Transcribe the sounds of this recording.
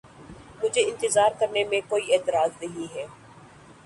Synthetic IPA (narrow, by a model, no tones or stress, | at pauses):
mʊd͡ʒʱeɪ̃nt̪ɪzaːɾkɐɾnemẽkoːieːt̪ɪɾaːznɐɦĩɦɛː